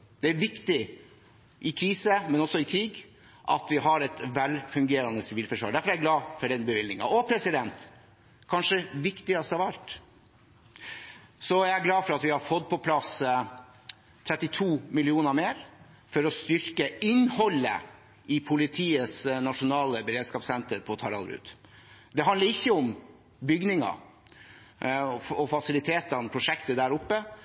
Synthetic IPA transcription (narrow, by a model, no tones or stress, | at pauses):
d̪̥ɛæɾʋɪkt̪ɪ | ʔɪkʰɾiːsəmɛnɔsːɔɪkʰɾiːɡ | ʔɑ̰t̪ʋɪɦɑɾɛt̪ʋɛlfʉŋɡeːɾɑnəsɪʋiːlfœʂʋɑ̰ːɖæɾfɔɾæɡlɑːfɔɖɛnbəʋɪlnɪŋɑ̰ʔɔpʰɾɛsɪd̪ɛnt̪ | kʰɑnʂəʋɪkt̪ɪɑst̪hɑʋæɾt̪ | sɔææɡlɑːfɔɾɑt̪ʋɪhɑɾfɔd̪pʰɔpʰlɑs | t̪ʰɾɛt̪ːɪt̪ʰuːmɪlɪuːnəɾmeːɾ | fɔɾɔst̪ʏɾkəɪnhɔlːə̰ | ʔɪpʰʊlɪt̪ʰiːəsnɑʂʊnɑːləbəɾeːd̪skɑːpsɛnt̪əɾpʰɔt̪ʰɑɾɑ̰lɾʉ̰ːd̪ | d̪ɛɦɑnəɾɪçːəɔm | bʏɡnɪŋɑ̰ | ɔɔfɑsɪlɪt̪ʰeːt̪ɑnpʰɾʊʂɛkt̪əd̪æːɾʊpːə